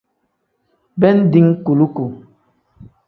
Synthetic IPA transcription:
bɛ˦n̩˦di˦ŋku˨lu˦ku˨

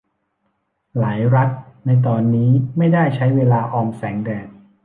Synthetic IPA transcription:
laː˩˦jɾa˦˥t̪̚na˧jt̪̬ɔː˧nːiː˦˥ma˥˩jda˥˩jt͡ɕʰa˦˥jweː˧laː˧ʔɔː˧msɛː˩˦ŋdɛː˨˩t̪̚

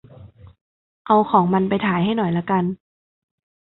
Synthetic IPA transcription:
ʔa˧wxʰɔː˩˦ŋma˧npa˧jt̪ʰaː˩˦jɦa˥˩jnɔ˨˩jla˧˥ka˧n

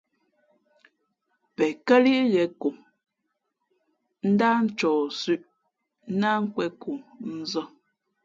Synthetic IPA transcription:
pɛ˨kɛ˦li˦jɛ˨ku˨ŋ | n̩˦da˦n̩˦t͡ʃɔː˨sʉ˦˨ʔ | na˦ŋ̩˦kwɛ˦ku˨ŋn̩˦zɔ˦

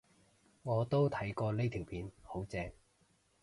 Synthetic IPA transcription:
ŋɔː˨˧t̪o˥wt̪ʰɐ˨˥jkɔː˧le˥t̪ʰiː˨˩wpʰiː˨˧nho˨˥wt͡sɛː˧ŋ

